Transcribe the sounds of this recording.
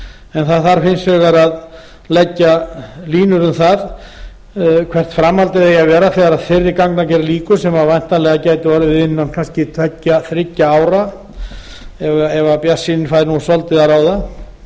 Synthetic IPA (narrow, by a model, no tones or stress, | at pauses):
ɛnθaðθaɾ̥fɪnsvɛɣaɾað | lɛcːaliːnʏɾʏmθað | kʰvɛr̥t̪fɾamhalt̪ɪðejaðvɛːɾaθɛːɣaɾaðfɪrːɪkaknacɛɾaliːkʏsɛmaðvajn̥t̪alɛɣacaːjt̪ɪvaɾʏɪɪnːankʰanscɪt̪ʰvɛcːaθɾɪcːaaːwɾa | ɛvaɛvapjḁsːinɪnfajðnusɔlt̪ɪðaɾaːwða